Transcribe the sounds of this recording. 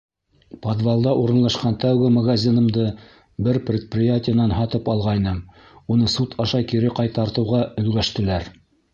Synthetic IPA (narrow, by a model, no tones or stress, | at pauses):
pod̪vɑlˠd̪ɑʔuɾɤ̆nlˠɑʃqɑnt̪æwɡɘmɐɡazʲinɤ̆md̪ɤ | bɘɾprʲɪt̪̚prʲɪjatʲɪjənɑnɦɑt̪ɤpɑlˠʁɑjnɤm | unɤsut̪ʰɑʃɑkiɾɘqɑjt̪ɑɾt̪ɤ̆wʁɑɵ̆lɡæʃt̪ɘ̆læɾ